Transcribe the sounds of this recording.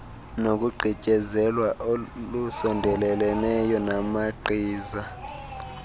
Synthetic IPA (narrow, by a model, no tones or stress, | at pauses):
nok̬ʼuɡ͡ǃʱicʼɛzɛlwaʔolusɔndʱɛlɛlnɛjɔnamaǃʱiːza